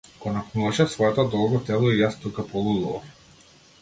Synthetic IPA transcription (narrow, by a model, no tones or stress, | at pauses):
ɡ̥ɔnaknuvaʃɛsvɔɛt̪ɔd̪ɔlˠɡɔt̪ɛlˠɔijast̪ukapɔlˠud̪uva̰f